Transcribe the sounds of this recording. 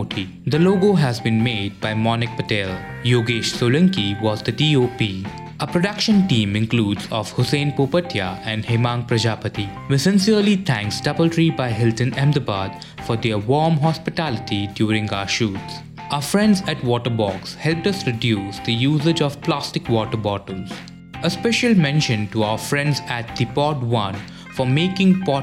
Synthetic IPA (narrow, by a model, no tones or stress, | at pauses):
ʈʰi | d̪əloːɡoɦæzbĩːnmeːɖ̚baɪmɔːnɪk̚pəʈel | joːɡeːʃsoːlə̃ŋkiʋɔːzd̪əʈioːpiː | əpɾoɖʌkʃə̃nʈĩːmɪ̃nkluːɖzɔʋhʊsẽːnpoːpət̪ʰja̰ɛ̃nɖheːmãːŋpɾɐd͡ʒaːpət̪i | ʋɪsɪ̃nsiəlit̪ʰæ̃ŋksʈʌpəlʈɾibaɪɦɪlʈə̃nɛ̃md̪əbaːd̪ | fɔd̪eʋɔːmɦɔspɪʈælɪʈiɖjuːɾɪ̃ŋɡaəʃuːts | aəfɾɛ̃nɖzæʈʋɔːʈəbɔːkshɛlp̚ʈʌsɾɪɖjuːsd̪əjuːzed͡ʒɔʋplaːsʈɪkwɔːʈəbɔʈəlz̥ | əspɛʃəlmɛ̃nʃə̃nʈuaʊəfɾɛ̃nɖzæʈ̚d̪̥ipɔːʈʋʌ̃n | fɔmeːkɪ̃ŋpɔ